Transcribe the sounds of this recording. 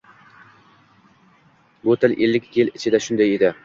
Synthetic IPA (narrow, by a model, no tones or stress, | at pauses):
bot̪ʰɪlʔelːɪkʲjɪlɪt͡ʃʰɪd̪aʃʊnd̪ajed̪ɪ